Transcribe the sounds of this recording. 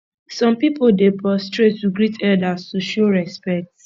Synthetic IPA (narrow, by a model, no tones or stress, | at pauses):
sɔ̃mpipoldepɹɔstɹetːuɡɹitɛdastuʃoɹɛspɛk̚t